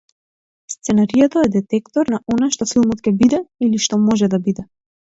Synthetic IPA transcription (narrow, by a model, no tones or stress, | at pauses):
st̪sɛnaɾijat̪aɛd̪ɛt̪ɛkt̪ɔɾnaʔɔnaʃt̪ɔfilˠmɔt̪kʲɛbid̪ɛiliʃt̪ɔmɔʒɛd̪abid̪ɛ